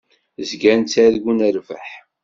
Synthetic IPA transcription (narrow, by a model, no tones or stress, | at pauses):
zɡænt͡sːæðɡunəɾvəħ